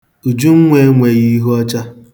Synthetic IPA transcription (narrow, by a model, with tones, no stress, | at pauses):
u˨d͡ʒu˦ŋ̩˦ŋʷe˦ŋʷe˨ɣi˦ɦɔ˦t͡ʃa˦